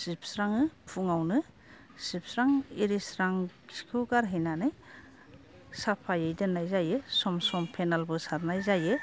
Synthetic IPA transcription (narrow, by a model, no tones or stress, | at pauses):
sip̚ʰsɾaŋɯpʰuŋawnɯ | sip̚sɾaŋiɾisɾaŋsi̥kʰuɡaɾɦɯjnanɯj | sapʰajɯjdɯnajzajɯsɔmsɔmpʰenalbɯsaɾnajzajɯ